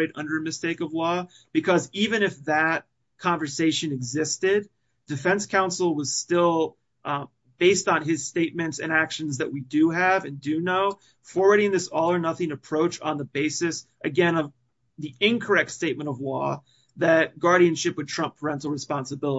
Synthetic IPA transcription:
ɪɾʌ̰̃ndə˞ɨmɨsteɪkʌvlɔ | b̥ɨkʰʌzivɨ̃nɨfðɨt̚ | kʰɑ̃ɱvə˞seɪʃɨ̃nɨɡzɪstɪd̚ | dɨfɛ̃nskʰãʊ̃nsl̩ˠwʌz̥stɪlˠ | b̥eɪstn̩ɪz̥steɪt̚mɨ̃ntsɨ̰̃nækʃɨ̃n̩zðɨʔ̚widɨɨvɨ̃ndɨnoʊ | fɔɹwə˞ɾɪ̃nðɪsɔlˠə˞nʌθɪ̃ŋɨpʰɹ̥oʊt͡ʃn̩ðəbeɪsɨs | ʔɨɡɛ̃nʌv | ðiɪ̃nkʰə˞ɛk̚tsteɪt̚mɨ̃ɾ̃ʌvlɔ̰ | ðɨt̚ɡ̥ɑɹɾiɨ̃nʃɪpwɨd̚tʰɹ̥ʌ̃mpʰə˞ɛ̃ntˡl̩ˠɹɨspɑ̃nsəbɪlˠə

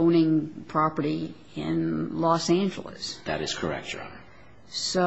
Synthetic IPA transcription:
ʊ̃nɪ̃ŋpʰɹ̥ɑpə˞ɾi | ɪ̰̃nlɔsæ̃nd͡ʒl̩ˠə̰sðɨ̰ɾɨz̥kʰə˞ɛ̰k̚tɹɑ̰̃ | so

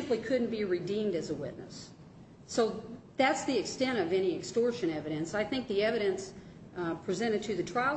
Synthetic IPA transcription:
mplikʰʊdⁿn̩b̥iɹidĩmdɨzəwɪ̰ʔⁿnə̰sː | oʊ | ðætsðiɨkstɛ̃ntʌvɛniɨkstɔɹʃɨ̃ñɛvɨɾɨ̃nsaɪθɪ̃ŋk̚ðiɛvɨɾɨ̃ns | pʰɹ̥izɛ̃ɾ̃ɨd̚tʰɨðɨtʰɹ̥aɪ

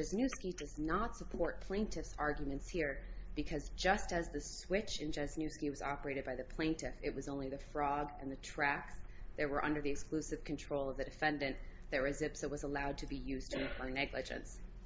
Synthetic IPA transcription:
ɛznʉskidʌznətsəpʰɔɹt̚pʰl̥ẽɪ̃ntʰɨfsɑɹɡjɨmɨ̃ntshiɹb̥ɨkʰʌzd͡ʒʌstɨzðɨswɪt͡ʃɨ̃nd͡ʒɛznʉskiwʌzɑpə˞eɪɾɨd̚baɪðɨpʰl̥ẽɪ̃ntʰɪfɪʔ̚wʌzõʊ̃nliðɨfɹɔɡɨ̃nðɨtʰɹ̥æks | ðɨt̚wə˞ʔʌ̃ndə˞ðiɨksklʉsɨv̥kʰɨ̃n̩tʰɹ̥oʊlˠʌvðɨdɨfɛ̃ndɨ̃n | ðɨt̚ɹɨzɪpsəwʌzəlaʊd̚tʰɨbijʉztʰɨɨ̃npʰənɛɡlɨd͡ʒɨ̰̃ns

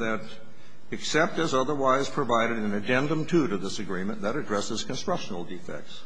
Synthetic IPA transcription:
ðɨɾ | ɨksɛp̚tɨzʌðə˞waɪz̥pʰɹ̥ɨvaɪɾɨɾɨ̃nɨdɛ̃ndə̃mtʰʉɾɨvðɪsɨɡɹĩmə̃nðɨɾɨdɹɛsɨz̥kɨ̃nstɹ̥ʌkʃnl̩ˠdifɛ̰k̚ts

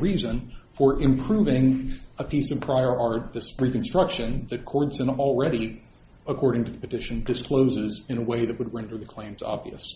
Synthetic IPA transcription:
ɹizɨ̃nfə˞ʔɪ̃mpʰɹ̥uvɪ̃ŋəpʰisʌv̥pʰɹ̥aɪə˞ʔɑɹt̪̚ðɪsɹikɨ̃nstɹ̥ʌkʃɨ̃nðɨt̚kʰɔɹdsɨ̃nl̩ˠɹɛɾi | əkʰɔɹɾɪ̃ŋtʰɨðəpɨtɪʃɨ̃ndɨskʰl̥oʊzɪzɨ̃nəweɪðɨt̚wəd̚ɹɛ̃ndə˞ðɨkʰl̥ẽɪ̃mzɑ̰bvḭɨ̰s

